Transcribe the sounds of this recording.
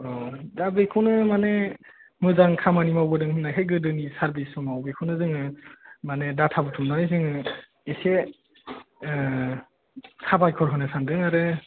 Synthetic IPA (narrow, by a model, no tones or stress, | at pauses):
ɾɔdabejkʰunɯmane | mɯzaŋkʰamanimawbɯdɯŋhɯnajkʰejɡɯdɯnisaɾbisɔmawbekʰunɯzɯŋɯmanedatʰabɯtʰumnajzɯŋɯ | ese | sʰabajkʰɔɾɦɯnɯsʰandɯŋaɾɯ